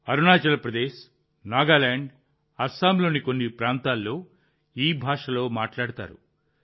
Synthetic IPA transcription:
ɐɾunaːt͡ʃɐlɐpɾɐd̪eːʃ | naːɡaːlaːɳɖ | ɐsaːmloːnikonːipɾaːnt̪aːlːoː | iːbʱaːʂɐlo̞ːmaːʈlaːɽut̪a̰ːɾṵ

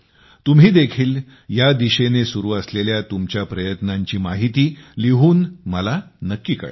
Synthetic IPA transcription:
t̪um̤ɦiːd̪ekʰiːl | jad̪iɕenesuɾuːəsleljat̪umt͡ɕjapɾəjət̪naɲt͡ɕiːmaɦit̪iːliɦuːnməlanəkːiːkə̰ɭ

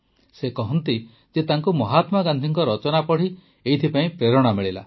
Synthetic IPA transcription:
sekɔɦɔnt̪i | d͡ʒet̪aŋkumɔɦat̪maɡand̪ʱiŋkɔɾɔt͡ʃɔnapɔɽ̤i | ejt̪ʰipaĩpɾeɾɔɽ̃ameɭila̰

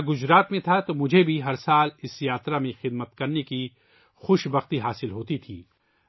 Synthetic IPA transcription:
ɡʊd͡ʒɾaːt̪mẽt̪ʰat̪omʊd͡ʒʱebʱiɦɐɾsaːlɪsjaːt̪ɾamẽxɪd̪mət̪kɐɾneki | xʊʃbɐxt̪iɦaːsɪlɦoːt̪it̪ʰiː

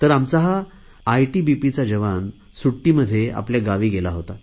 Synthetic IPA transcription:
t̪əɾamt͡saɦaː | jʈibipit͡sad͡ʑəʋan | suʈːiːməd̪ʱːjeʔa̰pljaɡaʋiːɡelaɦot̪a

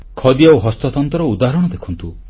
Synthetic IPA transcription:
kʰɔd̪iawɦɔst̪ɔt̪ɔnt̪ɔɾɔud̪aɦɾɔɽɔd̪ekʰɔnt̪u

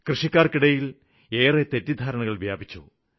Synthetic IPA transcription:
krɨʂikʲːaːrkiɽɐjil | e̞ːret̪etːid̪ʱaːɾɐɳɐɣɐɭʋjaːbʱit͡ɕːṵ

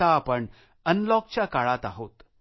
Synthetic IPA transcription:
aːpəɳ | ənlɔk̚t͡ɕjakaɭat̪aɦot̪

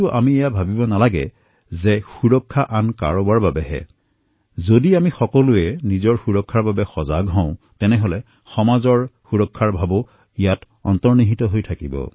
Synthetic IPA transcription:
ʊʔa̰miejabʱabibɔnalaɡɛ̰ | zɛxuɹɔkʰːaʔanka̰ɹɔbaɹbabɛɦɛ̰ | zodiamixɔkɔlʊɛnizɔɹxuɹɔkʰːaɹbabɛxɔzaɡɦɔ̃ʊ̃ | tɛnɛɦolɛ | xɔmazɔɹxuɹɔkʰːaɹbʱabɔ | ijat | ɔ̰ntɔɹniɦitɔɦojtʰakibɔ̰

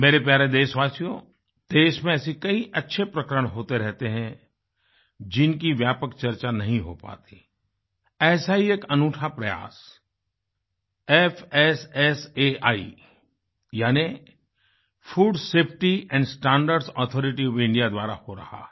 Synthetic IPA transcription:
meːɾep̬jaːɾed̪eːʃʋaːsjo | d̪̥eːʃmẽɐsikɐiʔɐtːʃʰepɾɐkəɾəɽ̃ɦoːt̪eɾɛɦt̪eɦɛ̃ | d͡ʒɪnkiʋjaːpəkt͡ʃɐɾt͡ʃanɐɦĩɦopa̰ːt̪i̥ | ɛːsaɦieːkɐnuːʈʰapɾɐja̰ːs | ɛfɛsɛseaːḭ | jaːni | fʰuːɖseːpʰʈiɛ̃ːɳɖsʈɛ̃ːɳɖəɾɖsɔːt̪ʰɔːɾɪʈiɔʋɪ̃ɳɖijad̪waːɾa̰hoɾɐ̰ha̰

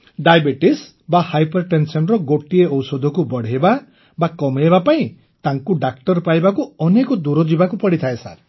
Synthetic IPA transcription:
ɖajbeʈis | bahajpɔɾʈensɔnɾɔɡoʈieɔwsod̪ʱɔkubɔɽ̤eeba | bakɔmeɦebapaĩ | t̪aŋkuɖak̚ʈɔɾpajbakuɔnekɔd̪uɾɔd͡ʒibakupɔɽit̪ʰaesa̰ɾ

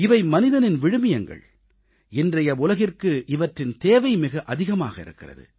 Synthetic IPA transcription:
ɪʋɐɪmɐnɪðɐnɪnʋɪɻɯmɪjɐŋɡɐ̰ɭ | ɪndrɐjɐʊlɐɣɪrkɯʔɪʋɐʈrɪnt̪eːʋɐɪmɪɣɐʔɐðɪɣɐma̰ːɣɐɪ̰ɾɯ̰kːɪrɐ̰ðɯ̰

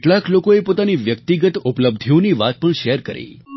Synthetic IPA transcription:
ʈlaklokoepot̪aniʋjək̚t̪iɡət̪upləb̚d̪ʱjũniʋat̪̚pəɳʃɛɾkəɾḛ

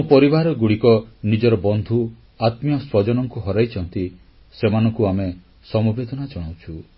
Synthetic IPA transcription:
mupɔɾibaɾɔɡuɽikɔnid͡ʒɔɾɔbɔnd̪ʱu | at̪mjɔswɔd͡ʒɔnɔŋkuɦɔɾajt͡ʃʰɔnt̪i | semanɔŋkuame | sɔmɔbed̪ʱɔnad͡ʒɔɽ̃awt͡ʃʰu

